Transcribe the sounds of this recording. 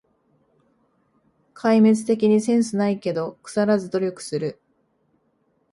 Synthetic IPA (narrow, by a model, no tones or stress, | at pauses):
kʰaime̞t͡sɨ̥t̪e̞kʲiɲ̟isẽ̞ɰ̃sɨnaike̞d̪o̞kɯ̟̥saɾazɨd̪o̞ɾʲo̞kɯ̟̥sɨɾɯ̟